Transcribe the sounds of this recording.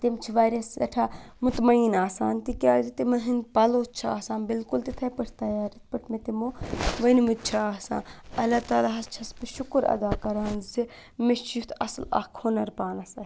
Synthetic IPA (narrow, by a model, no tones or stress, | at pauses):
t̪imt͡ʃʰiʋaːɾɐsɐ̰ʈʰaːmut̪mɐinaːsaːnt̪ikʲaːzit̪imɐɦinpɐloːt͡ʃʰaːsãːnbɪlkult̪it̪ʰɐpɐʈʰt̪ɐjaːɾit̪̚ʰpɐʈʰmet̪imoʋɐnmut͡ʃʰaːsã̰ːnɐlaːt̪aːlaːɦɐst͡ʃʰɐspiʃʊkɾɐ̰d̪aːkɐɾaːnzi | meʃit̪ʰɐ̰slɐ̰kʰonɐɾpaːnɐsa